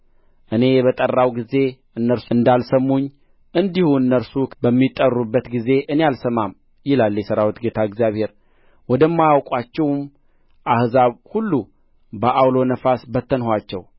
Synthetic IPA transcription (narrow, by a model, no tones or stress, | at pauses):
ʔɨne̞jɛβət̪ʼərːawɡize̞ | ɨnːəɾsɨnd̪alsəmːuɲː | ʔɨnd̪ihuɨnːəɾsubəmːit̪ʼːərːubːət̪ɡize̞ʔɨnealsəmam | jɪlaljɛsəɾawit̪ɡet̪ʰaɨɡzjaβhe̞ɾ | wɔd̪əmːajawkʼwat͡ʃːɛwm | ʔahzaβhulːu | bəʔawlo̞nəfasbət̪ʰːənɦʷat͡ʃːɛw